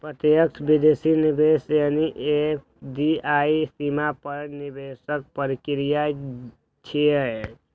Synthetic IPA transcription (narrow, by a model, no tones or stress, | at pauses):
pɾət̪jək̚t̪ʰbid̪esinibesjaniʔep | d̪iaisimapəɾnibesək̚pəɾikiɾija | t͡ʃʰiə